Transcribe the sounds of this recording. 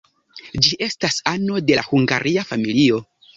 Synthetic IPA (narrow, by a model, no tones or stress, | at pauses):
d͡ʒiʔe̞stasano̞de̞la̰huŋɡa̰ɾʔiafamilio̞